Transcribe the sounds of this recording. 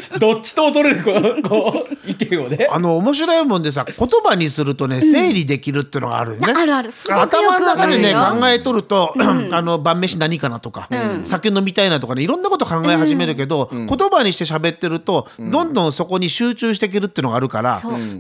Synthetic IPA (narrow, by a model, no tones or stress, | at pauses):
d̪ot͡ɕt͡ɕːi̥t̪oːt̪oɾeɾɯkokoikeoneano̞ːmo̞ɕ̬iɾoimõnd̪e̞s̬ako̞t̪o̞baɲ̟isɨɾɯ̟t̪o̞ne̞se̞ːɾʲid̪e̞kʲiɾɯ̟t̪ːeɯ̟no̞ɡa̰ːɾɯneat̪amanonakad̪ene̞kãŋɡae̞t̪o̞ɾɯ̟t̪o̞ano̞bãmːe̞ɕinaɲ̟ikanat̪o̞ka̰sakʲenːo̞mʲit̪ainat̪o̞kaneiɾõ̞nːako̞t̪o̞kãŋɡae̞ɦaʑime̞ɾɯ̟k̬e̞d̪o̞ko̞t̪o̞baɲ̟iɕi̥t̪e̞ɕ̬abe̞t̪ːe̞ɾɯ̟t̪o̞d̪õ̞nd̪õ̞ɰ̃so̞ko̞ɲ̟iɕɨːt͡ɕɨːɕ̬i̥t̪ek̬eɾɯ̟t̪ːeiɯ̟noɡaːɾɯ̟ka̰ɾa̰